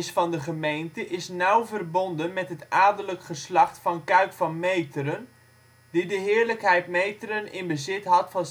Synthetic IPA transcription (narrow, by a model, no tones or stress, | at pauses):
sfɑndəχəmejntəʔɪsnawvərbondənmɛtɦətaːdələkχəslɑχtfɑnkœɥkfɑnmejtəɾən | didəɦɪːɹləkɦɛjt̚mejtəɾənɪnbəzɪtɦɑtfɑn